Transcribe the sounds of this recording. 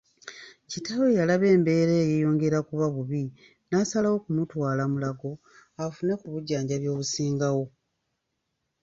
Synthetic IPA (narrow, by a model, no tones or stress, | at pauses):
citaβojalaβe̞ːmbe̞ːɾeːjejo̞ːŋɡe̞ɾakuβaβuβi | nasalawo̞kumutwaːlamulaɡo̞ | afune̞kuβuɟːaːɲɟaβjo̞ːβusiːŋɡawo̞